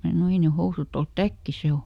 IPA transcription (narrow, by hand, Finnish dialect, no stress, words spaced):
mæː sɑno ei ne housuˑt olt tækːi se o